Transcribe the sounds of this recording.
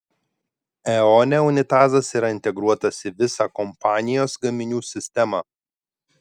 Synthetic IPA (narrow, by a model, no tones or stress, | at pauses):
ɛɔːnʲɛʊnʲɪt̪ɑːzɐsiɾɐɪnʲt̪ʲɛɡɾuɔt̪ɐsiʋʲɪsɑːkɔmpɑːnʲɪjoːsɡɐmʲɪnʲuːsʲɪsʲt̪ʲɛmɑː